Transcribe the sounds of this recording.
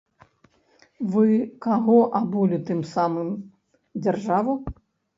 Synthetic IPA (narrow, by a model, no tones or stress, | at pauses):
vɨkaɣɔʔabulʲut̪ɨmsamɨm | d͡zʲarʐavu